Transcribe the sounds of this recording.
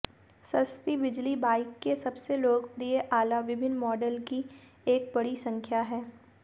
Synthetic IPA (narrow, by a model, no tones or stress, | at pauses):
sɐst̪ibɪd͡ʒlibaːɪkːesɐbseloːɡpɾieʔaːlaʋɪbʱɪnmɔːɖəlki | eːk̚bɐɽisɐ̃ŋkʰjaɦɛː